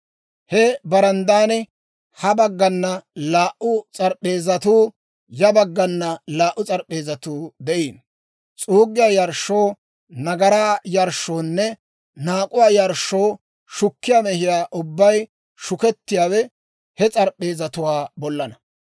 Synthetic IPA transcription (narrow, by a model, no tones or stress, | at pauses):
hɛbɐɾɐnd̪aːnɛ | hɐbɐɡːɐnːɐlaːʔʔʊt͡sʼɐɾɓe̞ːzɐt̪uː | jɐbɐɡːɐnːɐlaːʔʊt͡sʼɐɾɗe̞ːzɐt̪uːd̪ɛʔiːn | t͡sʼuːɡɪjaːjɐɾʃːoː | nɐɡɐɾaːjɐɾʃːoːnːɛ | naːkʼʊwaːjɐɾʃoː | ʃʊkːɪjaːmɛhɪjaːʔʊbːɐj | ʃʊkɛt̪ːɪjaːwɛ | hɛt͡sʼɐɾʔe̞ːzɐt̪ʊwaːbɔlːɐnɐ